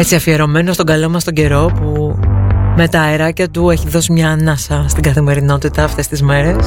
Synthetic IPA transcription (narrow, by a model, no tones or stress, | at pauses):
e̞t͡siɐfieɾo̞me̞nost̪o̞ŋɡɐlo̞mɐst̪oɲɟe̞ɾo̞pu | me̞t̪ɐeɾɐcɐt̪ue̞çiðo̞simɲɐnɐsɐst̪iɡɐθime̞ɾino̞t̪it̪ɐːft̪e̞st̪izme̞ɾe̞s